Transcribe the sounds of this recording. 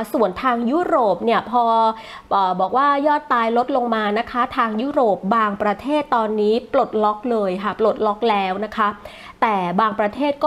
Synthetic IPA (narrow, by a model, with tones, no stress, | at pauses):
su˨˩ənt̪ʰaː˧ŋjuː˦˥ɾoː˨˩p̚ni˥˩əpʰɔː˧ | ʔəː˨˩bɔː˨˩k̚waː˥˩jɔː˥˩t̪ːaː˧jlo˦˥t̪̚lo˧ŋmaː˧na˦˥kʰa˦˥t̪ʰaː˧ŋjuː˥ɾoː˨˩p̚baː˧ŋpɾa˧t̪ʰeː˥˩t̪ːɔː˧nːiː˦˥plo˨˩t̪̚lɔ˦˥k̚lɤː˧jkʰa˥˩plo˨˩t̪̚lɔ˦˥k̚lɛː˦˥wna˦˥kʰa˦˥ | t̪ɛː˨˩baː˧ŋpɾa˧t̪ʰeː˥˩t̪̚kɔː˥